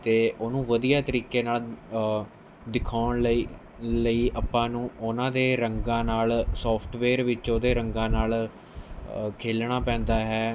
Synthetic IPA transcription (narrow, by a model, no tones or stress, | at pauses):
t̪eːʔoːnũːʋəd̪ijaːt̪əɾiːkeːnaːl | d̪ɪkʰaːʊɳləi | ləiːʔəpːãːnũːʊnãːd̪eːɾəŋɡãːnaːlsɔːpʰʈʰʋeːɾʋɪt͡ʃoːd̪eːɾəŋɡãːnaːl | kʰeːlɳaːpɛ̃ːnd̪aːɦɛː